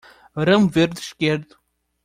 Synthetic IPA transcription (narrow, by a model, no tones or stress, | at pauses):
ɾɐmveɾd̪ɨʃkeɾd̪u̥